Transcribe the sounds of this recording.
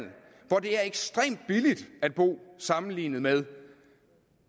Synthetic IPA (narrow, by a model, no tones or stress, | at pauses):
n̰̩ | ʋɒd̥e̝æɐeɡ̥sd̥ʁɛ̰ːmd̥̚b̥ilid̥æd̥̚b̥o̝̰ːsɑ̈mn̩lḭːnð̩ˠmeð̞ˠ